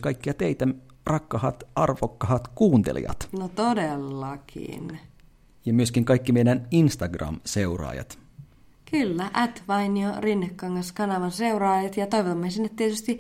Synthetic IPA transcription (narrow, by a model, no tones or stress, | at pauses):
kɑjkːiɑt̪eit̪ærʔɑkːɑhɑt̪ɑrʋokːɑhɑt̪kuːnt̪ḛlḭɑ̰t̪not̪odelːɑkʰḭn | jɑmyøskiŋkɑjkːimejdæninst̪ɑɡrɑ̰mse̞urɑ̰ːjɑ̰t̪ | kylːæʔæt̪ʋɑjniorinːekːɑŋɡɑskɑnɑʋɑnse̞uɾɑːjɑt̪jɑt̪ojʋot̪ɑmːesinːet̪t̪iet̪yst̪i